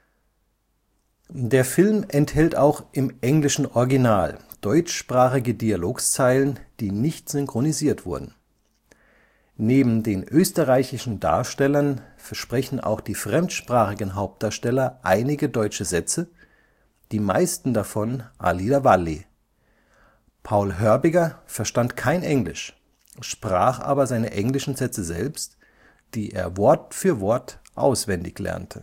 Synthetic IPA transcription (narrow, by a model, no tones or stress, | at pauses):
deːɐfɪlmʔɛnthɛltaʊxʔɪmʔɛŋlɪʃn̩ʔɔɐɡinaːld̥ɔʏt͡ʃʃpʁ̥aːχɪɡədialoːkst͡saɪlənd̥iːnɪçtz̥ʏŋkʁ̥oniziːɐtv̥ʊɐdn̩ | neːbm̩deːnʔøːstəʁaɪçɪʃn̩da̰ːɐʃtɛlɐnfɛɐʃpʁ̥ɛçn̩ʔa̰ʊxd̥iːfʁ̥ɛmtʃpʁ̥aːχɪɡn̩ɦaʊp̚td̥aːɐʃtɛlɐʔaɪnɪɡədɔʏt͡ʃəzɛt͡sə | d̥iːma̰ɪstn̩dafɔnʔa̰liːdavali | pʰaʊlɦœɐbɪɡɐfɛɐʃtantkʰaɪnʔɛŋlɪ̰ʃ | ʃpʁ̥aːχʔa̰ːbɐzaɪnəʔɛŋlɪʃn̩zɛt͡səzɛ̰lpst | d̥iːʔeːɐvɔɐtfyːɐvɔɐtʔa̰ʊsv̥ɛndɪçlɛ̰ɐntʰə